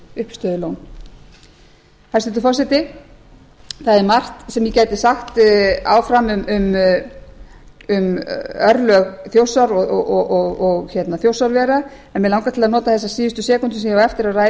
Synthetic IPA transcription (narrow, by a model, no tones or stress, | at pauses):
ʏhpst̪œːðʏlown | hḁsɪt̪ʏfɔsɛt̪ɪ | θaðɛɾmar̥t̪sɛmjɪcaːjt̪ɪsaxt̪a̰ːwfɾamʏmʏm | ʏmœɾlœɣθjowsaɾɔɣɔɔɔɣɔɣçɛt̪naθjowsaɾvɛːɾaɛnmɪðlawŋkat̪ʰɪlaðnɔːt̪aθɛs̬ːasiːðʏst̪ʏsɛːkʏnt̪ʏsɛhɛvɛft̪ɪɾawraːj